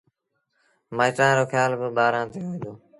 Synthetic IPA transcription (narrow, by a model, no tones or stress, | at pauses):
mãːt̪ãːɾoːxʰjaːlbəbaːɾãːt̪eːɦoĩːd̪oː